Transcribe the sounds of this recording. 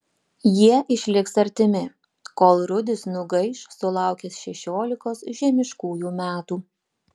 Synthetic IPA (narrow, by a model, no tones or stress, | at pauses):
jiɛʔɪʃʲlʲɪksɐɾʲt̪ʲɪmʲɪ | koːlˠɾʊd̪ʲɪsnʊɡɐɪʃsʊlˠɑˑʊkʲesʃʲɛʃʲoːlʲɪkoːsʒʲɛmʲɪʃkuːjuːmʲæːt̪uː